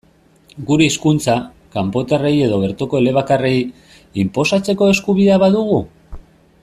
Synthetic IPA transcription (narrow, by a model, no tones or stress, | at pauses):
ɡuɾe̞iskunt͡sa | kampo̞t̪are̞je̞ð̞o̞βe̞ɾt̪oko̞e̞le̞β̞akare̞j | impo̞sat͡se̞ko̞e̞skuβ̞iðeaβaðuɣu